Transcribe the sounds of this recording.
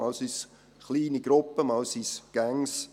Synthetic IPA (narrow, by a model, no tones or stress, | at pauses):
ɑlsys | χliːniɡ̥ɾʊpːəmɑlsisɡ̥æŋs